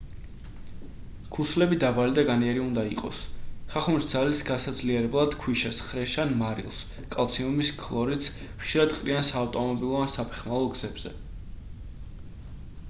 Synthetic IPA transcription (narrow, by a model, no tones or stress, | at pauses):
kʰuslɛbid̪abalid̪aɡaniɛɾiund̪aiqʼɔ̰sχaχumɾisd̪zalisɡasad̪zliɛɾɛblˠad̪̥kʰwiʃɛsχɾɛʃanmaɾḭlˠs | kʼalˠt̪sʰiumiskʰlˠɔɾit̪s | χʃiɾad̪qʼɾiansaːvt̪ʼɔmɔbilˠɔansapʰɛ̥χmalˠɔɡz̥ɛbz̥ɛ̰